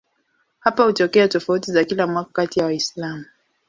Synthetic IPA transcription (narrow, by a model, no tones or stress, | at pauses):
hapahutɔkɛatɔfautizakilamwakakatijawaislamu